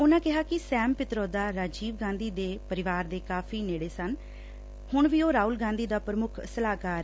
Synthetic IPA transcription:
ʊnãːkɪɦaːkɪsɛːmpɪt̪ɾoːd̪aːɾaːd͡ʒiːʋɡãːnd̪iːd̪eːpəɾɪʋaːɾd̪eːkaːpʰiːneːɽeːsən | hʊɳʋiːoːɾaːuːlɡãːnd̪iːd̪aːpɾəmʊkʰsəlaːkaːɾ

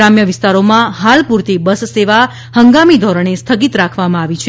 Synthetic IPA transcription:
amjəʋɪst̪aɾomãɦalpuɾt̪ibəsseʋa | həŋɡamid̪ʱɔɾəɳ̃est̪ʰəɡit̪ɾakʰʋamãaʋit͡ʃʰe

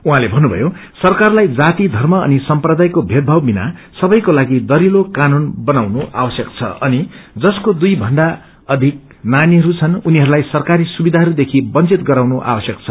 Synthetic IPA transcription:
uɦãlebʱʌnːubʱʌ̰josʌrkarlajd͡zat̪id̪ʱʌrmʌʌ̰nisʌmprʌd̪ajkobʱed̪̚bʱʌwbina̰sʌbʌjkolaɡid̪ʌɾilokanonbʌnawnoʔa̰bwʌsjʌkt͡sʰʌ̰ʔʌnid͡zʌskod̪ujbʱʌɳɖa | ʌd̪ʱik̚ | naniɦʌɾut͡sʰʌnuniɦʌɾulajsʌrkaɾisubid̪ʱaɦʌɾud̪ekʰibʌnt͡sit̪ɡʌɾawnoʔa̰wʌsjʌkt͡sʰʌ

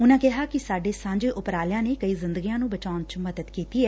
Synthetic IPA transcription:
ʊnãːkɪɦaːkɪsaːɖeːsãːɲd͡ʒeːʔʊpɾaːljãːneːkəiːzɪ̃nd̪əɡijãːnũːbət͡ʃaːʊnt͡ʃməd̪əd̪kiːt̪iːɛː

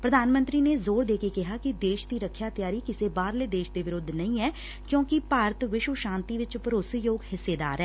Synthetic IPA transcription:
pɾəd̪ʱaːnmə̃nt̪ɾiːneːzoːɾd̪eːkeːkɪɦaːkɪd̪eːʃd̪iːɾəkʰːjaːt̪jaːɾiːkɪseːbaːɾleːd̪eːʃd̪eːʋɪɾʊd̪ʱːnəĩːɛː | kjõːkɪpaːɾət̪ʋɪʃʋəʃãːnt̪iːʋɪt͡ʃpəɾoːsijoːɡɦɪsːeːd̪a̰ːɾɛː

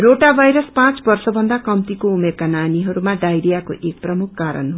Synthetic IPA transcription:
roʈabʱajɾʌspãt͡sbʌrsʌbʱʌnd̪akʌmt̪ikoumerkananiɦʌɾumaɖajɾijako̰ʔek̚prʌmukʰkaɾʌ̰nɦo

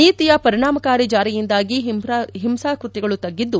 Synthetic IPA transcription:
niːt̪ijɐpɐɾiɳaːmɐkaːɾid͡ʒaːɾijind̪aːɡiɦimsaːkɾut̪iɡɐɭut̪ɐɡːid̪ːu

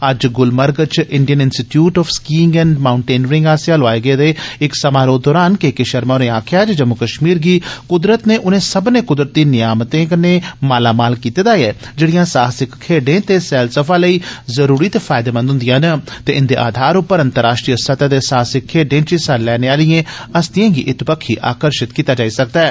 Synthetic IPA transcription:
əd͡ʒɡʊlməɾɡt͡ʃʔɪɳɖijənɪnsʈiʈjuːʈɔːfʰskiːŋɡɛ̃ːɳɖmaːʊɳʈeːnəɾɪ̃ŋɡaːsjaːloaːeɡeːd̪eːɪksəmaːɾoːd̪ɔːɾaːnkeːkeʃəɾmaːɾẽːaːkʰɪjaːt͡ʃd͡ʒəmːʊkəʃmiːɾɡiːkʊd̪ɾət̪neːʔʊnẽːsəbnẽːkʊd̪ɾət̪ːiːnɪjaːmt̪ẽːkneːmaːlaːmaːlkiːt̪eːd̪aːjɛː | d͡ʒeːɽɪjãːsaːsɪkkʰːeːɖẽːt̪eːsɛːlsəpʰãːləiːzəɾuːɾiːt̪eːfʰaːɪd̪eːmə̃nd̪ɦʊ̃nd̪ɪjãːnət̪eːɪnd̪eːʔa̰ːd̪ʱaːɾʊpːəɾə̃nt̪əɾaːʃʈɾijəsət̪ad̪eːsaːsɪkʰːeːɖẽːt͡ʃisallɛːneːaːlɪjẽːəst̪ijãːɡḭːʔɪt̪bəkʰːiːʔa̰ːkəɾʃɪt̪kiːt̪aːd͡ʒaːiːsək̚d̪ɛɛː

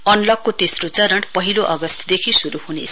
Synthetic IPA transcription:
ʌnlʌkːot̪esrot͡sʌɾʌɳʈpʌɦiloʔʌɡʌst̪ʰd̪ekʰisuɾuɦunḛsʰ

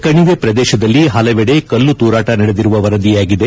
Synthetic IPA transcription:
kɐɳiʋepɾɐd̪ɛːʃɐd̪ɐlːiɦɐlɐʋɛɽekɐlːut̪uːɾaːʈɐnɐɽed̪iɾuʋɐʋɐɾɐd̪ijaːɡid̪e̞

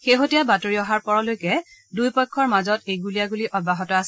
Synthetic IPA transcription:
xeɦotijabatoɹiɔɦaɹpɔɹɔlojkɛdujpɔkʰːɔɹmazɔtejɡulijaɡuliʔɔd̚baɦɔtɔasɛ

